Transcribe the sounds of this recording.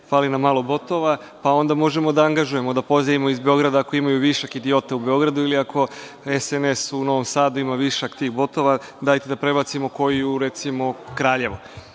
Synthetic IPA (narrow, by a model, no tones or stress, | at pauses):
faːlinamaːlobo̞t̪o̞ʋa | pao̞nd̪amo̞ʒe̞mo̞d̪aaŋɡaʒuje̞mo̞d̪apo̞zaimo̞izbe̞o̞ɡɾad̪aːko̞imajuʋiʃakid̪io̞t̪aube̞o̞ɡɾad̪uiliako̞ | esenesuno̞ʋomsaːd̪uimaʋiʃakt̪iːxbo̞t̪o̞ʋad̪aːjt̪ed̪apɾe̞bat̪simo̞ko̞jijuɾe̞t̪simo̞kɾaːʎe̞ʋo